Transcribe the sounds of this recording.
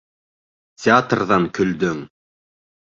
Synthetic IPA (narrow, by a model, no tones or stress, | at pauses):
tʲeat̪rðɑŋkʰɵ̆ld̪ɵŋ